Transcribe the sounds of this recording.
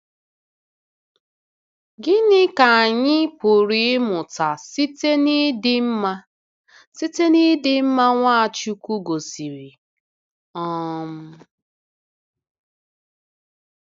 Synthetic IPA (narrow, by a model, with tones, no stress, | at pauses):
ɡɪ˦nɪ˦ka˨a˨ɲɪ˦pʊ˨ɾi˨˦mʊ˨ta˨si˦te˦ni˦dɪ˦m̩˦ma˦ | si˦te˦ni˦dɪ˦m̩˦ma˦ŋʷa˦a˨t͡ʃu˦ku˦ɡo˨si˨ɾi˨ | ɔ˦m̩˦